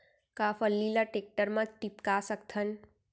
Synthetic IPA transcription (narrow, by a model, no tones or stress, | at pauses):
kaːfʰəlːilaʈek̚ʈəɾmãʈipkasəkt̪ʰən